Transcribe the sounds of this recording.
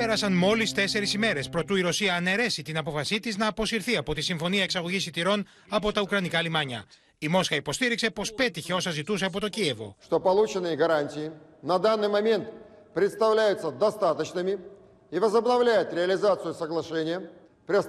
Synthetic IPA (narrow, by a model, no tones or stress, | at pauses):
pe̞ɾɐsɐnmo̞list̪e̞se̞ɾisime̞ɾe̞spɾo̞t̪uiɾo̞siɐːne̞ɾe̞sit̪inɐp̬o̞fɐsit̪iznɐːpo̞siɾθiɐpo̞t̪isiɱfo̞niɐeksɐɣo̞ʝisit̪iɾo̞n | ɐpo̞t̪ɐukɾɐnikɐlimɐɲɐ̰ | imo̞sxɐipo̞st̪iɾikse̞po̞spe̞t̪içe̞o̞sɐzit̪use̞ɐp̬o̞t̪o̞cie̞vo̞̰ʂt̪o̞pɐlˠut͡ɕɪnːɨjəɡɐɾanʲtʲɪːnɐd̪anːɨjmɐmʲe̞nt̪ | pɾʲɪt̪st̪ɐvlʲæjʊt̪səd̪ɐst̪at̪ət͡ɕnɨmʲɪ | ivəzəbnɐvlʲæjʊt̪ɾʲɪɐlʲɪzat̪sɨjʊsəɡlˠɐʂenʲɪjə | pɾʲɪ